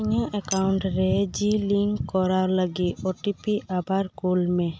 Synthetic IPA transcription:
ɲaʔɛkawɳʈɾed͡ʒiliŋkːɔɾaɾlaɡioʈipiʔabaɾkulme

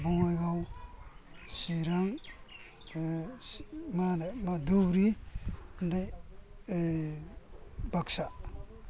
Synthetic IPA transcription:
buŋajɡaw | siɾaŋ | manamad̪ubɾi | ndaj | baksa

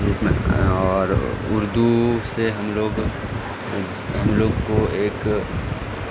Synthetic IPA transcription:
ɾuːpmḛ̃ɔːɾʊɾd̪useɦɐmloːɡ | ɦɐmloːɡkoeːk

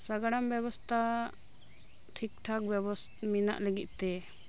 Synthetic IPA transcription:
saɡaɽambɛbɔst̪ʰa | ʈʰik̚ʈʰak̚bjɛbɔs | mina̰ʔləɡit̪̚ˀt̪ɛ

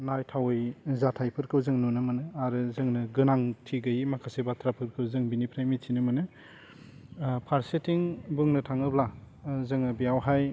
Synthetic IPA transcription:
najtʰawɯjzatʰajpʰɯɾkʰɯwzɯŋnunɯmɯnɯaɾɯzɯŋnɯɡɯnaŋtʰiɡɯjimakʰasebatʰɾapʰɯɾkʰɯwzɯŋbinipʰɾajmisʰinɯmɯnɯ | pʰaɾsetiŋbɯŋnɯtʰaŋɯbla | zɯŋɯbijawɦaj

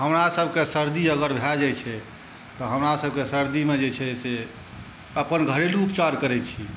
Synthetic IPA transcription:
ɦəmɾasəbʱkesəɾd̪iəɡəɾbʱɛd͡ʒɛt͡ʃʰɛ | t̪ɔɦəmɾasəbʱkesəɾd̪imed͡ʒet͡ʃʰɛse | əpənɡʱəɾeluupt͡ʃaɾkəɾɛt͡ʃʰi

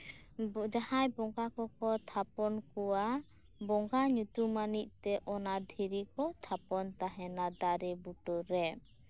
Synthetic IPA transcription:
d͡ʒahãjbɔŋɡakɔkɔt̪ʰapɔnkɔwa | bɔŋɡaɲut̪umaniʔ̚ˀt̪ɛʔɔnad̪ʱiɾikɔt̪ʰapɔnt̪aɦɛnad̪aɾɛbuʈɔɾɛ

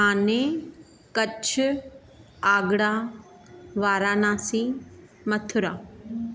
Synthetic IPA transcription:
ɦaːne | kɐt͡ɕʰʊ | aːɡɽaː | ʋaːɾaːnãːsiː | mɐt̪ʰʊɾa̰ː

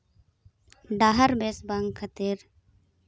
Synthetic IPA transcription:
ɖaɦəɾbesbaŋɡkʰat̪iɾ

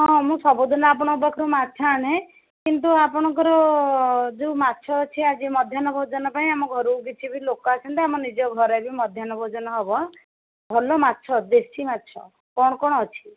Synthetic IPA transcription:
ɦɔ̃mũsɔbod̪ʱɔnɔap̬ɔɽ̃ɔbakʰɔɾumatːt͡ʃʰaɽẽ | kint̪uapɔɽ̃ɔ̃ŋkɔɾɔ | d͡ʒeumatːʃʰɔːt͡ʃʰiad͡ʒimɔd̪ʱjanɔbʱɔd͡ʒɔnɔpaĩamɔɡʱɔɾuːkit͡ʃʰibʱilokɔasɔnt̪iamɔnid͡ʒɔɡʱɔɾebʱimɔd̪ʱjanɔbʱɔd͡ʒɔnɔɦɔbɔ | bʱɔlɔmatːʃʰɔd̪esimat̪ːʃʰɔ̰ | kɔɽ̃ɔkɔɽ̃ɔːt͡ʃʰi̥

